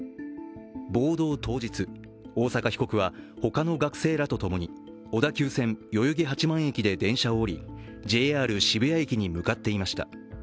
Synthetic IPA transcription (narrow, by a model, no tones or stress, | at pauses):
bo̞ːd̪o̞ːt̪o̞ːʑit͡sɨ | o̞ːsakaçi̥ko̞kɯ̟β̞aho̞kano̞ɡakɯ̟̥se̞ːɾat̪o̞t̪o̞mo̞ɲ̟i | o̞d̪akʲɨːsẽ̞ɴjo̞jɯɡʲeɦat͡ɕimãɰ̃e̞kʲid̪e̞d̪ẽ̞ɰ̃ɕaoːɾʲi | d͡ʑe̞ːaːɾɯ̟ɕibɯ̟jaekʲiɲ̟imɯ̟kat̪ːe̞imaɕi̥t̪a̰